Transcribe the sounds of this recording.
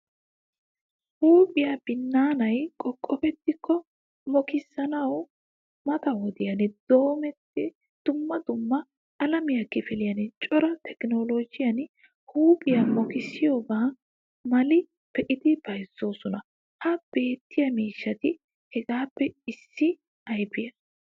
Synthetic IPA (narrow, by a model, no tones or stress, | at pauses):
huːpʼɪjab̥ɪnːaːnɐjkʼɔkʼːɔpɛt̪ːɪkʰːɔ | mɔkɪsːɐnɐw | mɐt̪ɐwɔd̪ɪjɐnɪd̪̥o̞ːmɛt̪ːɪ | d̪̥ʊmːɐd̪ʊmːɐː | lɐmɪjɐkːɪfɛlɪjɐnɪt͡ʃʼɔɾɐt̪ʰɛkno̞ːloːd͡ʒɪjɐn | huːpʼɪjɐmɔkɪsɪjo̞ːɡaː | mɐlɪ | pɛʔɪd̪ɪb̥ɐjsːo̞ːsɔnɐ | hɐb̥e̞ːt̪ːɪjɐmiːʃːɐt̪ɪ | hɛɡaːpːɛɪsːɪ | ɐjbɪjɐ